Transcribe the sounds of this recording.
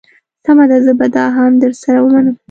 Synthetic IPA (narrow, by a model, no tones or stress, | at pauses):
samad̪azəbad̪ɑɦamd̪əɾsaɾawəmanak